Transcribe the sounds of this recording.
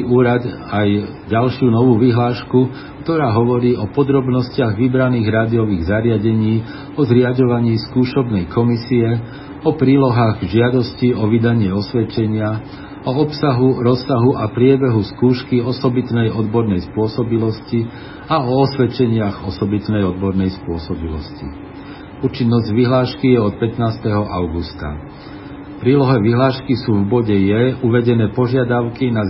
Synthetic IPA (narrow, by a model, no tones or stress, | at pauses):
uːɾad̪aj | ɟalʃɪuːnɔʋuːʋiɦlaːʃku | kt̪ɔɾaːɦɔʋɔɾiːɔpɔd̪ɾɔbnɔscɪaɣʋibɾaniːɣɾaːd̪iɔʋiːɣzaɾɪaɟɛɲiː | ɔzɾɪaɟɔʋaɲiːskuːʃɔbnɛjkɔmisiɛ | ɔpɾiːlɔɦaːɣʒɪad̪ɔsciɔʋid̪aɲɪɛɔsʋɛt͡ʃɛɲɪa | ɔɔpsaɦuɾɔsːaɦuʔapɾɪɛbɛɦuskuːʃkiɔsɔbit̪nɛjɔd̪bɔɾnɛjspʊɔsɔbilɔsci | aɔɔsʋɛt͡ʃɛɲɪaɣɔsɔbit̪nɛjɔd̪bɔɾnɛjspʊɔsɔbilɔ̰scḭ | uːt͡ʃinːɔzɟʋiɦlaːʃkijɛɔt̪̚pɛt̪naːst̪ɛɦɔʔaʊɡust̪a̰ | pɾiːlɔɦɛʋiɦlaːʃkisuːvbɔɟɛjɛuʋɛɟɛnɛːpɔʒɪad̪aʊkina